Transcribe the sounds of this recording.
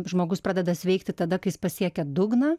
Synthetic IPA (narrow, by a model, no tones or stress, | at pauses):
ʒmoːɡʊspɾɑːd̪ʲɛd̪ɐsʲʋʲɛɪkt̪ʲɪt̪ɐd̪ɐkɐɪjɪspɐsʲiɛkʲɛd̪ʊɡnɐ